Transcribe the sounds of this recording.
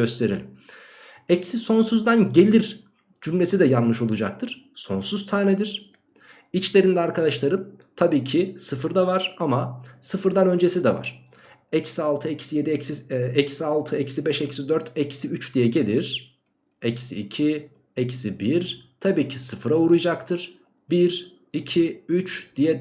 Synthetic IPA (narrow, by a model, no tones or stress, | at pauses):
ɟø̞st̪ʰe̞ɾḭlʲim | ɛcsiso̞nsuzd̪anɟe̞lʲiɾ | d͡ʒymlʲe̞sid̪ɛjanˠmɯʃo̞lˠud͡ʒak̚t̪ʰɯɾ̥so̞nsuz̥t̪ʰaːnɛd̪iɾ̥ | it͡ʃlʲe̞ɾind̪ɛaɾkʰad̪aʃlˠaɾɯpt̪ʰabiːcʰisɯfɯɾd̪avaɾ̥amasɯfɯɾd̪anø̞nd͡ʒe̞sid̪ɛva̰ɾ̥ | ɛcsialˠt̪ʰɯecʰi̥sije̞d̪iɛcsiɛcsialˠt̪ʰɯɛcsibɛʃɛcsid̪øɾt̪ʰɛcsiyt͡ʃd̪ijɛɟe̞lʲiɾ̥ | ɛcsiːcʰi | ɛcsibiɾt̪ʰabiːcʰisɯfɯɾauɾujd͡ʒakt̪ʰɯɾ̥ | biɾ | icʰiyt͡ʃd̪̥ijɛ